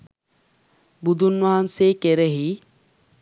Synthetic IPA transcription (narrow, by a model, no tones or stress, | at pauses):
bud̪ʱunʋaɦɐnseːkeɾeɦi